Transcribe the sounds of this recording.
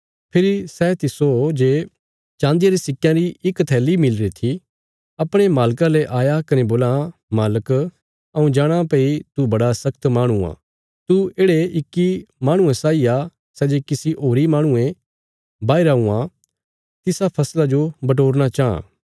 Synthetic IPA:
pʰɪɾisɛt̪ɪsod͡ʒeː | t͡ʃãːnd̪ijaɾisɪkːjãɾiɪkt̪ʰɛːlimɪlɾit̪ʰi | ɐpɽ̃emaːlkãleʔaːjakɐneboːlamaːlək | ɐũd͡ʒaːɽ̃ãpeit̪ubɐɽasɐkt̪maːɽ̃ua̰ː | t̪ueːɽeɪkːimaːɽ̃ũẽsaːia | sɛd͡ʒeːkɪsiʔoːɾimaːɽ̃ʊẽ | baːiɾaũːã | t̪ɪsapʰɐslad͡ʒobɐʈ̬oːɾɽ̃at͡ʃaːã̰ː

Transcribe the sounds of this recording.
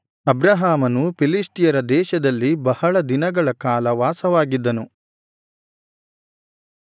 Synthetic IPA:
ɐbɾaɦaːmɐnupilisʈijɐɾɐd̪ɛːʃɐd̪ɐlːibɐhɐɭɐd̪inɐɡɐɭɐkaːlɐʋaːsɐʋaːɡid̪ːɐnu

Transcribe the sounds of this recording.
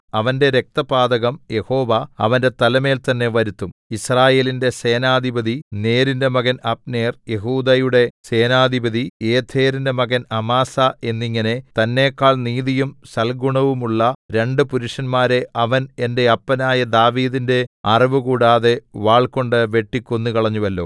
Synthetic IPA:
ɐʋɐnde̞ɾek̚t̪ɐpaːd̪ɐɣɐmje̞ho̞ːʋɐɐ̰ʋɐnde̞t̪ɐlɐme̞ːlt̪ɐnːe̞ʋɐɾut̪ːumisraːje̞ːlinde̞se̞ːnaːd̪ʱibɐðine̞ːɾinde̞mɐɣɐnɐp̚neːrje̞ɦuːd̪ɐjuɽe̞se̞ːnaːd̪ʱibɐðieːt̪ʰe̞ːɾinde̞mɐɣɐnɐmaːsɐe̞nːiŋːɐne̞t̪ɐnːe̞ːkːaːɭniːðijumsɐlɡuɳɐʋumuɭːɐɾe̞ɳɖɨpuɾuʂɐnmaːɾe̞ʔɐʋɐne̞nde̞ɐpːɐnaːjɐd̪aːʋiːðinde̞ɐriʋɨkuːɽaːðe̞ʋaːɭko̞ɳɖɨʋe̞ʈːikʲːonːukɐɭɐɲːuʋɐlːo̞̰ː

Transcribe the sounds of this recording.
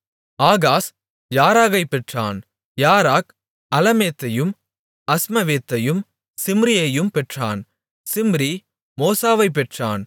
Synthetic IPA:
aːɣaːs | jaːɾaːɣɐɪpːɛʈra̰ːn | jaːɾaːk | ɐlɐmeːt̪ːɐjɯm | ɐsmɐʋeːt̪ːɐjɯm | sɪmɾɪjɐjɯmpɛʈra̰ːn | sɪmɾi | moːsaːʋɐɪp̬ːɛʈra̰ːn

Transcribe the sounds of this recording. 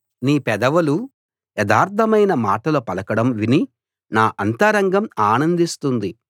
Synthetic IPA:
niːpɛd̪ɐʋɐlu | jɛd̪aːɾt̪ʰɐmɐjnɐmaːʈɐlɐpɐlɐkɐɽɐmʋini | naːʔɐnt̪ɐɾɐŋɡɐmaːnɐnd̪ist̪und̪i

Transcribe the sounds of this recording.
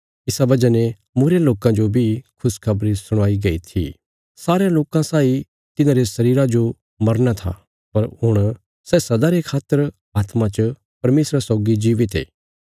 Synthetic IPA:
ɪsabɐd͡ʒane | muːɾjaloːkãd͡ʒobʱikʰʊskʰɐbɾisʊɽ̃aːiɡɐḭt̪ʰḭ | saːɾejãloːkãsaːi | t̪ɪnãːɾesɐɾiːɾad͡ʒo | mɐɾnat̪ʰa̰ | pɐɾɦʊɽ̃ | sɛːsɐd̪aɾekʰaːt̪ːəɾ | aːt̪mãt͡ʃə | pɐɾmeːsɾasɔːɡid͡ʒiːʋɪt̪ḛː

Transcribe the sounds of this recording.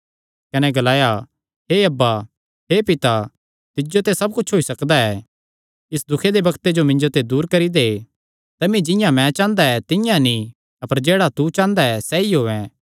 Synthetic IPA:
kɐnɛɡɐlaːja | ɦeɐbːa | ɦepɪt̪a | t̪ɪd͡ʒot̪esɐb̚kʊt͡ʃʰɦoːisɐkd̪aɛː | ɪsd̪ʊkʰed̪ebɐkt̪ed͡ʒomɪ̃ɲd͡ʒot̪ed̪uːɾkɐɾid̪e | t̪ɐmĩd͡ʒɪ̃jãmɛ̃t͡ʃãːnd̪aɛt̪ɪjãnĩ | ɐpəɾd͡ʒeːɽat̪ut͡ʃãːnd̪aɛsɛiɦoːɛ̃

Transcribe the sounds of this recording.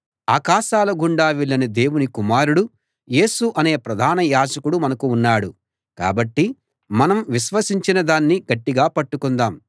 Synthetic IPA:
aːkaːʃaːlɐɡuɳɖaːʋiɭːɐnɐd̪e̞ːwunikumaːɾuɽu | je̞ːsuʔɐne̞ːpɾɐd̪ʱaːnɐjaːd͡ʒɐkuɽumɐnɐkuːnːaːɽṵ | ka̰ːbɐʈːi | mɐnɐmʋiʃʋɐsiɲt͡ʃinɐd̪aːnːiɡɐʈːiɡaːpɐʈːukund̪aːm

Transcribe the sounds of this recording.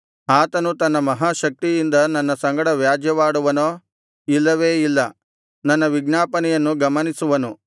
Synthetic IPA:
aːt̪ɐnut̪ɐnːɐmɐɦaːʃɐk̚t̪ijind̪ɐnɐnːɐsɐŋɡɐɽɐʋjaːd͡ʒjɐʋaːɽuʋɐnoː | ilːɐʋeːilːɐ | nɐnːɐʋiɡnaːpɐnɛjɐnːuɡɐmɐnisuʋɐnu

